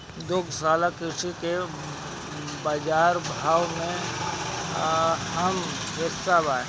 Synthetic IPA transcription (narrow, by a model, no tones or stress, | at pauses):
d̪ʊɡʱsaːlakɾɪsike | baːd͡ʒaːɾbʱaːwmẽ | ɦəm | ɦesabaːe